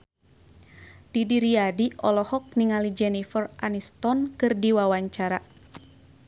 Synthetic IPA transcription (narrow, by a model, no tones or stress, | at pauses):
d̥idiɾiadiʔɔlɔhɔk̚niŋalid͡ʒɛnifərʔa̰nist̪ɔnkɨrdiwawaɲt͡ʃaɾa